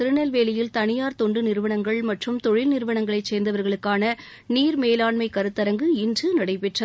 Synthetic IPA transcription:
ɪɾɯnɐlʋeːlɪjɪlt̪ɐɳɪjaːɾt̪ɔɳɖɯnɪɾɯʋɐɳɐŋɡɐɭmɐʈrɯmt̪ɔɻɪlnɪɾɯʋɐɳɐŋɡɐɭɐɪt͡ʃseːɾnd̪ɐʋɐɾɣɐɭɯkːaːnɐ | niːɾmeːlaːɳmɐɪkɐɾɯt̪ːɐɾɐŋɡɯɪndrɯnɐɽɐɪpɛʈrɐ

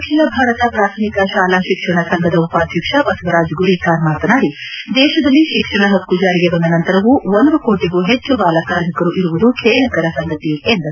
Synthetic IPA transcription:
ɐkʃinɐbʱaːɾɐt̪ɐpɾaːt̪ʰɐmikɐʃaːlaːʃikʂɐɳɐsɐŋɡʱɐd̪ɐupaːd̪ʱjikʂɐpɐsʋɐɾaːd͡ʒɡuɾiːkaːɾmaːt̪ɐnaːɾid̪ɛːʃɐd̪ɐlːiʃikʂɐɳɐɦɐkːud͡ʒaːɾiɡebɐnd̪ɐnɐnt̪ɐɾɐʋuʋond̪ukoːʈiɡuɦet͡ʃːubaːlɐkaːɾmikɐɾuʔiɾuʋud̪ukʰeːlɐkɐɾɐsɐŋɡɐt̪iend̪ɐɾu

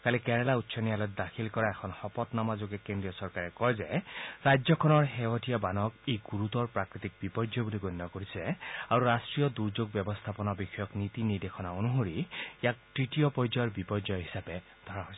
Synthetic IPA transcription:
kalikɛɹalautːsʰɔnijalɔt̪̚d̪akʰilkɔɹaekʰɔnxɔpɔt̪namazoɡɛkendɹijɔsɔɹkaɹɛkɔjzɛɹajzɔkʰɔnɔɹɦewɔtʰijabanɔkejɡuɹut̪ɔɹpɹakɹit̪ik̚bipɔɹd͡ʒɔbuliɡonːɔkoɹisɛaɹuɾasʈɹijɔd̪uɹd͡ʒoɡ̚bjɔbɔst̪ʰapɔnɔbixʰɔjɔknit̪iniɹd̪exʰɔnaonuɦoɹijak̚tɹitijɔpɔjzɔɹbipɔd͡ʒɔjɦisape | d̪ʱɔɹaɦojs

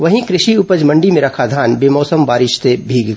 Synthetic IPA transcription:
ʋɐɦĩkɾɪʃiʊpəd͡ʒmɐ̃ɳɖimẽɾɐkʰad̪ʱaːnbeːmɔːsəmbaːɾɪʃt̪ebʱiːɡ

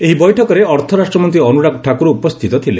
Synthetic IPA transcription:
eɦibɔjʈʰɔkɔɾeɔɾt̪ʰɔɾasʈɾɔmɔnt̪̬iɔnuɽakʈʰakuɾuːpɔst̪ʰit̪ɔt̪ʰile

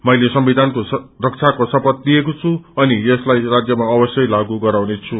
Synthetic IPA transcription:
mʌjlesʌmbid̪ʱankorʌk̚t͡sʰakosʌpʌt̪liekot͡sʰuʌnijʌslajrad͡zjʌmaʌbʌsjʌjlaɡuɡʌɾawnet͡sʰu

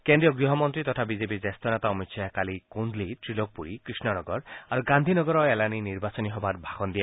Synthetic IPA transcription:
kend̪ɾijɔɡɾiɦɔmɔnt̪ɾit̪ɔt̪ʰabizepiɾd͡ʒest̪ɔnet̪aɔmitsʰajakalikund̪lit̪ɾiloɡ̚puɾikɾisnɔnɔɡɔɾaɾuɡand̪ʱinɔɡɔɾɔelaniniɾbasɔniɦɔbaɾbʱaɡɔnd̪ija

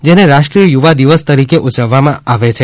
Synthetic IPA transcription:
d͡ʒeneɾaʃʈɾijəjuʋad̪iʋəst̪əɾikeʔud͡ʒəʋːamãʔaʋet͡ʃʰe

